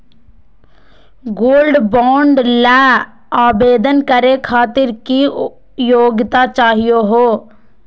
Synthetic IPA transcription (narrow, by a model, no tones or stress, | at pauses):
ɡoːlɖbɔːɳɖlɛː | aːbeːd̪ənkəɾekʰaːt̪ɪɾki | joːɡɪt̪at͡ʃaːɦijoɦoː